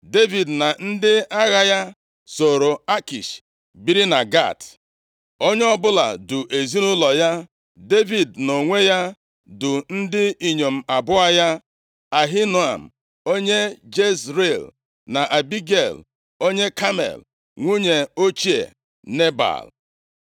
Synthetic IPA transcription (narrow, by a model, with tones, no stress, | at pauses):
de˦vi˨dna˨n̩˦dɪ˦a˦ɣa˦ja˦ | so˨ɾo˨a˦ki˨ʃ | bi˦ɾi˦na˨ɡa̰˦˨t | o˦ɲe˦ɔ˦bʊ˦la̰˨dʊ˨ʔe˨zi˦nʊ˦lɔ˨ja˦ | de˦vi˨dno˨ŋʷe˦ja˦ | dʊ˨n̩˦dɪ˦i˨ɲo˨m̩˨a˨bʊ˦a˦ja˦ | a˨ɦi˦n˨a̰˨m̩˨ | o˦ɲe˦d͡ʒe˦sɾe˦˨l | na˨ʔa˨bi˦ɡe˨l | o˦ɲe˦ka˦mḛ˨l | ŋʷu˦ɲe˨o˦t͡ʃi˦ḛ˨ | ne˦ba̰˨l